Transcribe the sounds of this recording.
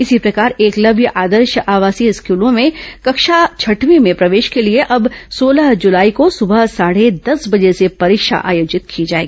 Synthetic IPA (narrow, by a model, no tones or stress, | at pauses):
ɪsipɾɐkaːɾeːklɐbʱjəʔaːd̪əɾʃəʔaːʋaːsiɪskuːlõmẽkɐkʃat͡ʃʰɐʈʋimẽpɾɐʋeːʃkelieʔɐbsoːlaɦd͡ʒʊlaːikosʊbəɦsaːɽ̤ed̪ɐsbɐd͡ʒesepɐɾɪkʃa̰ʔa̰ːjoːd͡ʒɪt̪kʰid͡ʒaːeːɡiiː